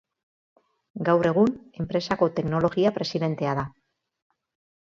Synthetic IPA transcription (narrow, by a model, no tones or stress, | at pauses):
ɡawre̞ɣ̞une̞mpɾe̞sako̞t̪e̞kno̞lo̞ɣiapɾe̞siðe̞nt̪e̞aða